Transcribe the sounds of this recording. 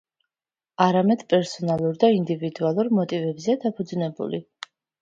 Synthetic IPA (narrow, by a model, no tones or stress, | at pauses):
aɾamɛd̪̥pʼɛɾsɔnalˠuɾd̪aind̪ivid̪ualˠuɾmɔt̪ʼivɛbzɛad̪apʰud̪znɛbṵli